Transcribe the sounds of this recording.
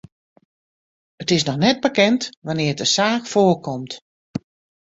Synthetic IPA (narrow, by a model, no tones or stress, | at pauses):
ətɪsnɔxnɛd̚bəkɛntʋanɪːdəsaːkfoːrkɔmt